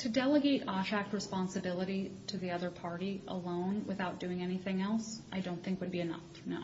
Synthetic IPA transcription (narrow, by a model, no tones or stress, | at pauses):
tʰɨdɛlˠəɡeɪɾɑʃæk̚t̚ɹɨspɑ̃nsɨbɪlˠəɾiɾɨðiʌðə˞pʰɑɹɾiʔə̰lõʊ̃nwɨ̰θaʊt̚d̥ʉɪ̃ŋɛniθɪ̃ŋɛlˠsʔaɪdõʊ̃nθɪ̃ŋkwɨd̚biɨnʌ̰f | n